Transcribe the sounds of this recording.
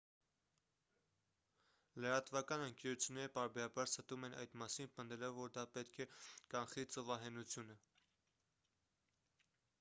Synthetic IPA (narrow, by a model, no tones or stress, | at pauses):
ləɾɑt̪vɑkɑnəŋkɛɾut͡sʰjunːɛɾəpɑɾbɛɾɑbɑɾsət̪umɛnʔɑ̰jd̪mɑsinpənd̪ɛlɔvːɔɾd̪ɑpɛt̪kʰɛkɑnχit͡səvɑɦɛnut͡sʰjunə